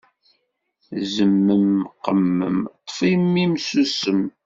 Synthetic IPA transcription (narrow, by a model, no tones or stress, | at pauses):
zəmːəmqəmːə̰mt̪ˤːə̥fimːimsusəm